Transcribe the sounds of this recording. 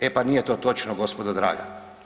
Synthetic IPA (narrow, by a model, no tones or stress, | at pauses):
epanijet̪oːt̪o̞t͡ʃnoɡo̞spod̪ad̪ɾa̰ːɡa̰